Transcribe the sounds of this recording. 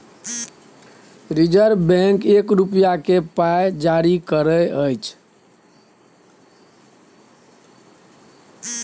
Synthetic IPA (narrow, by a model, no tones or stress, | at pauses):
ɾid͡ʒəɾbɛ̃ŋkekɾupjakepajd͡ʒaɾikəɾəəjt͡ʃʰ